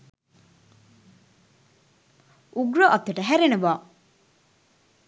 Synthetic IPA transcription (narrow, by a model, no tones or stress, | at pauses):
ʔuɡɾoʔɐt̪ːeʈɐɦæɾeneʋaː